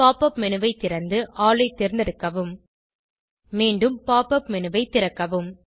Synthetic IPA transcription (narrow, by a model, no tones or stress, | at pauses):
aːpɐpmɛnɯʋɐɪt̪ːɪɾɐnd̪ɯʔaːlɐɪt̪ːɪɾnd̪ɪɾɯkːɐʋɯm | miːɳɖɯmpaːpːɐpmɛnɯʋɐɪt̪ːɪɾɐkːɐʋɯm